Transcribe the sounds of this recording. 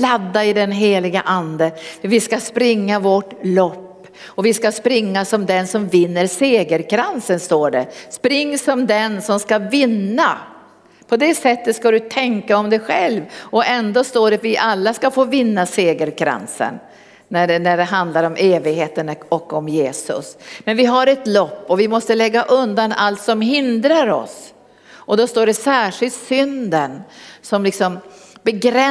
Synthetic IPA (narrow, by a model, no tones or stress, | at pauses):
lad̪ːaɪd̪ɛnɦeːlɪɡəʔand̪əvɪskaspɾɪŋːavɔʈlɔpː | ɔvɪskaspɾɪŋːasɔmd̪ɛnsɔmvɪnːəɾseːɡəɾkʰɾansənst̪oːɖɛspɾɪŋːsɔmd̪ɛnsɔmskavɪnːa | pʰɔd̪ɛsɛt̪ːət̪skad̪ɵt̪ʰɛŋkaɔmd̪ɛɧɛlvɔʔɛnd̪oːst̪oːɖɛat̪vɪʔalːaskafoːvɪnːaseːɡəɾkʰɾa̰nsə̰nː | æɖɛnæɖɛɦand̪laɾɔmʔeːvɪɡɦeːt̪ənɔkːɔmjeːsɵ̰smɛnvɪɦaɾɛt̪lɔpːɔvɪmɔst̪əlɛɡːaʔɵnd̪analt̪sɔmɦɪnd̪ɾaɾɔ̰s | ʔɔd̪ɔst̪oːɖɛsæːʂɪlt̪sʏnd̪ənsɔmlɪksɔmbɛɡɾɛ